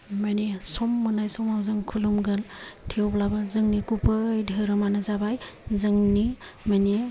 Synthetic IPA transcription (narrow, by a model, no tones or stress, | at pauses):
manisɔmːɯnajsɔmawzɯŋkʰulumɡɐltʰiowblabɐzɯŋnikupʰɯjdʱɯɾɯmanɐzabajzɯŋnimani